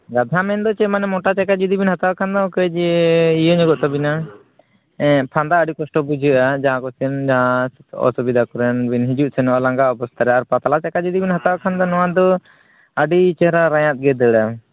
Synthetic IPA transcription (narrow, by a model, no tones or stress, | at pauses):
ɡad̪ʱamɛnd̪ɔt͡ʃɛmanɛmɔʈat͡ʃakad͡ʒud̪ibinhat̪awakʰand̪ɔkəd͡ʒɛijɔɲɔɡɔʔt̪ɔbina | ɛ̃pʰand̪aəɖikɔsʈɔbud͡ʒʱəʔad͡ʒaɦãkɔsɛnd͡ʒaɦãɔ̰subid̪ʱakɔɾɛnbinɦid͡ʒuʔsɛnɔʔalaŋɡaɔpɔst̪ʰaɾɛaɾpat̪alat͡ʃakad͡ʒud̪ibinɦat̪awakʰand̪ɔnɔwãd̪ɔ | əɖit͡ʃɛɦɾaɾajãt̪̚ɡɛd̪əɽa